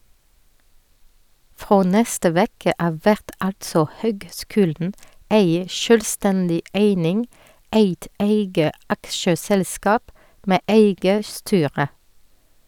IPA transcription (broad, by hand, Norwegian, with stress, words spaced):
ˈfʁoː ˈnɛstə ˈʋeːkə ˈɑːʋ ˈʋæʁt ˈɑltsɔ ˈhøːɡˌskʉːldn̩ ˈeɪ ˈʃøːlˌstændɪ ˈæɪnɪŋ ˈæɪt ˈæɪɡə ˈɑkʃəsɛlˌskɑːp ˈmeː ˈʔæɪɡə ˈstyːʁə